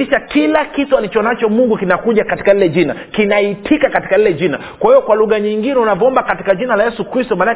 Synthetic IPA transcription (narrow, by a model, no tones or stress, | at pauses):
iʃakilakitualit͡ʃɔnat͡ʃɔmuŋɡukinakuʄakati̥kailɛʄinakinaitʰikakati̥kalilɛʄina | kwahijɔkwaluɣaɲiŋɡinɛunavɔɔmbakatikaʄinalajɛsukɾistɔmana